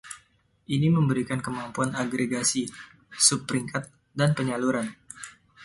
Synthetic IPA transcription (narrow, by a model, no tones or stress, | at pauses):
ʔiniməmbəɾikankəmampuanaɡɾeɡasi | supːɾiŋkat̪̚ | danpəɲaluɾan